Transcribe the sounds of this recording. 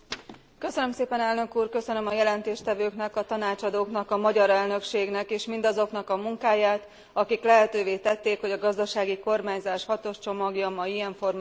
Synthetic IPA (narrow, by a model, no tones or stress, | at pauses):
kø̞sønømseːpɛnɛlnø̞kuːrkø̞sø̞nømɒjɛlɛnt̪eːʃt̪ɛvøːkn̪ɛkɒt̪ɒnaːt͡ʃɒd̪oːknɒkɒmɒɟɒɾɛlnø̞kʃeːɡnɛkeːʃmind̪ɒzo̞knɒkɒmuŋkaːjaːt̪ | ɒkiklɛɦɛt̪øːveːt̪ɛt̪ːeːkho̞ɟɒɡɒzd̪ɒʃaːɡiko̞rmaːɲzaːʃhɒt̪oʃt͡ʃo̞mɒɡjɒmɒjijɛɱfo̞rm